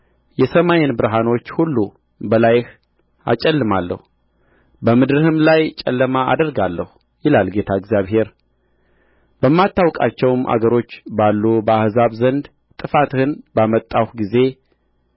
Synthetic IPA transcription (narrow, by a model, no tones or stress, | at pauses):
jɛsəmajɪnbɨɾɦano̞t͡ʃːhulːu | bəlajɪh | a̰t͡ʃʼɛlːɨmalːə̰hu | bəmɨd̪ɾɨhɨmlajt͡ʃʼɛ̰lːəmaa̰d̪əɾɡalːəhu | jɪlalɡe̞t̪ʰaɨɡzijaβhe̞ɾ | bəmːat̪ːawkʼat͡ʃːɛwmʔa̰ɡəɾo̞t͡ʃːbalːubəahzaβzənd̪ | t̪ʼɨfat̪ɨhɨnbamət̪ʼːawhɡize̞